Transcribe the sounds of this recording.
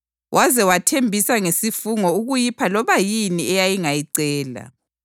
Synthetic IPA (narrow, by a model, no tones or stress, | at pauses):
wʔazɛwatʰembʱisaŋesifuŋɔuɣujipʰalɔβajiniɛjajiŋajiǀɛːla̰